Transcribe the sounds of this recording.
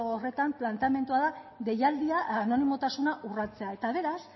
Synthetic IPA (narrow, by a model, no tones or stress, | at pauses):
ore̞t̪amplant̪eame̞nt̪uaðaðe̞jald̪iaːno̞nimo̞t̪asunaʔurat͡se̞ae̞t̪aβ̞e̞ɾas